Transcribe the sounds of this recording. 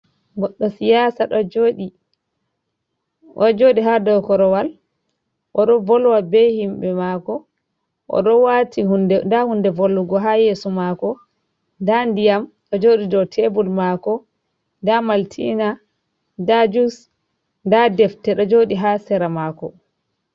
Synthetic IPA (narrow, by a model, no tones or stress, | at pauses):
ɡɔɗːɔsijaːsaɗɔd͡ʒoɗi | ʔɔd͡ʒoːɗiɦadɔwkɔɾɔwal | ʔɔɗɔvɔlwabɛhimbɛmakɔ | ʔɔ̰ɗɔwatidɛndahundɛvolːuɡɔɦajesumakɔ | ndandijamɗɔd͡ʒoːɗidɔtʰɛbulmakɔ | ndamaltʰḭna | dad͡ʒus | ndadɛftɛɗɔd͡ʒoːɗiɦasɛɾamakɔ